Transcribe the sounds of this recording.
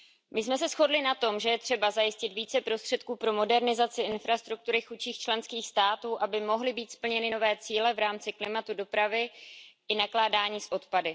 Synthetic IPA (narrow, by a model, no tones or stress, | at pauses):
mɪsmɛs̬ɛsxo̞dlɪnat̪o̞mʒɛjɛt̪r̝̥ɛbazajɪscɪt̪viːt͡sɛpɾo̞st̪r̝̥ɛt̪̚kuːpɾo̞mo̞dɛɾnɪzat͡sɪʔɪnfɾast̪ɾuk̚t̪uɾɪxut͡ʃiːxt͡ʃlɛnskiːxst̪aːt̪uːʔabɪmo̞ɦlɪbiːt̪spl̩ɲɛnɪno̞vɛːt͡siːlɛvɾaːmt͡sɪklɪmat̪udo̞pɾavɪʔɪnaklaːdaːɲiːsʔo̞t̪padɪ